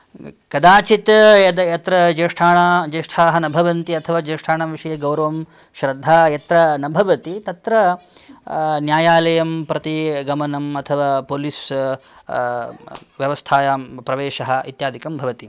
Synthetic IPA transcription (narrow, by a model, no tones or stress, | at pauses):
kɐd̪aːt͡ʃit̪jɐd̪ɐjɐt̪ɾɐd͡ʒeːʂʈʰaːɳad͡ʒeːʂʈʰaːɦɐnɐbʱɐʋɐnt̪iɐt̪ʰɐʋaːd͡ʒeːʂʈʰaːɳaʋiʂɐjɐɡɐwɾɐʋɐm | ʃɾɐd̪ʱːaːjɐt̪ɾɐnɐbʱɐʋɐt̪it̪ɐt̪ɾɐ | njaːjaːlɐjɐmpɾɐt̪iɡɐmɐnɐmɐt̪ʰɐʋaːpoːlis | ʋjɐʋɐst̪ʰaːjapɾɐʋeːʃɐɦɐ̆it̪jaːd̪ʱikɐmbʱɐʋɐt̪i